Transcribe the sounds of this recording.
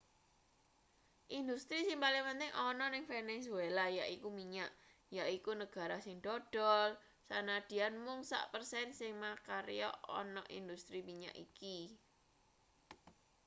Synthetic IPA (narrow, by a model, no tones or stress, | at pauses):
ʔind̪ust̪ɾisiŋpalimənt̪ɪŋʔɔnɔnɪŋfenesuelajaʔikumiɲaʔ | jaʔikunəɡ̥a̤ɾasɪŋɖ̥ɔdɖ̥ɔl | sanad̪̥i̤anmʊŋsa̰ʔpərsɛnsɪŋmakaɾjɔ̰ɔ̰nɔʔḭnd̪ust̪ɾimiɲa̰ʔiki